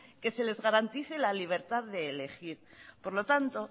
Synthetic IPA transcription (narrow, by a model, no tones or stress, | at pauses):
ke̞se̞le̞zɣaɾant̪iθelaliβ̞e̞ɾt̪aððe̞ːle̞xiɾpo̞ɾlo̞t̪ant̪o̞